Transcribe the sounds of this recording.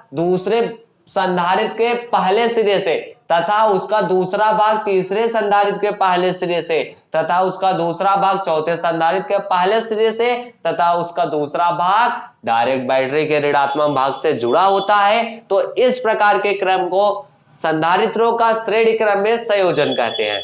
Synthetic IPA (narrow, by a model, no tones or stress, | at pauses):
d̪uːsɾe | sɐ̃nd̪ʱaːɾɪt̪kepɐɦlesɪɾiəset̪ɐt̪ʰaʊskad̪uːsɾabʱaːɡ̚t̪iːsɾesɐ̃nd̪ʱaːɾɪt̪̚kepɐɦlesɪɾiset̪ɐt̪ʰaʊskad̪uːsɾabʱaːɡ̚t͡ʃɔːt̪ʰesɐ̃nd̪ʱaːɾɪt̪̚kepɐɦlesɪɾiəset̪ɐt̪ʰaʊskad̪uːsɾabʱaːɡ̚ | ɖaːɪɾek̚ʈ̚bɛːʈɾikeɾɪɽaːt̪mabʱaːɡsed͡ʒʊɽaɦoːt̪aɦɛt̪oɪspɾɐkaːɾkekɾəmko | sɐ̃nd̪ʱaːɾɪt̪ɾõkasɾeːɽikɾəmːẽsə̃joːd͡ʒənkɛ̰ɦt̪ḛɦɛ̰̃ː